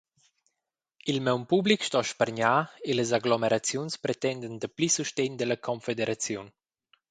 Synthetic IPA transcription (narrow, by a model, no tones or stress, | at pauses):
ilmɛwmpublikʃt̪ɔʃpəɾɲaeləzaɡlomeɾʔat͡sjunspɾet̪ɛnd̪ənd̪əplisuʃtɛɲd̪ələkʰɔnfed̪eɾʔat͡sjun